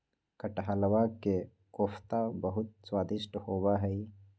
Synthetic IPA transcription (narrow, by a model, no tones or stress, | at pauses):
kɐʈɦalɐwake | koːfʰt̪abɐɦʊt̪̚swaːd̪ɪʃʈhoːbaɦɛi